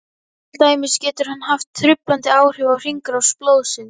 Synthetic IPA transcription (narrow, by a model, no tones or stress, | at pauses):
lt̪aːjmɪscɛːt̪ʏɾ̥hanːɦaft̪ʰːɾʏpːant̪ɪaːwr̥ɛvawr̥iŋkɾawsploːwðsɪnː